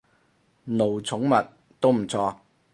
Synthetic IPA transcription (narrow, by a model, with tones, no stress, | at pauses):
no˨˩wt͡sʰʊ˨˥ŋmɐ˨t̚ | t̪o˥wm̩˨˩t͡sʰɔː˧